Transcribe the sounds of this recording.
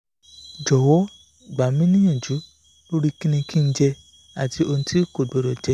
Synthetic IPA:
d͡ʒɔ˨wɔ˨˦˨ | ɡ͡ba˨mĩ˦nĩ˦ã˦˨d͡ʒu˨˦ | lo˦ɾi˦kĩ˦nĩ˧kĩ˦˧n̩˦d͡ʒɛ˧ | a˨ti˧˦o˧nũ˧tʰi˦ko˨e˨ɾɔ˨d͡ʒɛ˦

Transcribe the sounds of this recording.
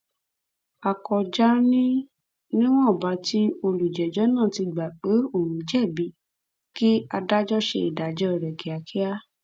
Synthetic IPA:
a˨kɔ˨d͡ʒa˦nĩ˦ | nĩ˦w̃ɔ̃˦˨ba˨˦ti˦o˧lu˨d͡ʒɛ˨d͡ʒɔ˨˦nã˦˨ti˧ɡ͡ba˨k͡pe˨˦o˦˨ɾ̃ũ˨d͡ʒɛ˦˨bi˨˦ | ki˦a˧da˦d͡ʒɔ˦ʃḛ˧i˨da˨d͡ʒɔ˨˦˨ɾɛ˨ke˨a˨kʰi˦a˦

